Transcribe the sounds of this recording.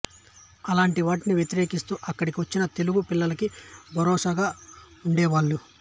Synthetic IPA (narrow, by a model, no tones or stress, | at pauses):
ɐlaːɳʈiʋaːʈiniʋjet̪iɾeːkist̪uːʔɐkːɐɽikiʋɐt͡ʃːinɐt̪e̞luɡupilːɐlɐkibʱɐɾɔːsaːɡaːuɳɖɛːʋaːɭːu